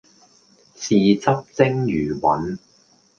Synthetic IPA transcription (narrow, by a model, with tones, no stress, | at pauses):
siː˨t͡sɐ˥p̚t͡sɪ˥ŋjyː˨˩wɐ̰˨˥n